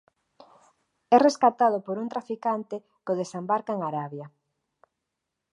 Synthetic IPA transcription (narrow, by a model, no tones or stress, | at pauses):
ɛreskat̪að̞opoɾunt̪ɾafikant̪ɪ | koðesembaɾkaeŋaɾaβjɐ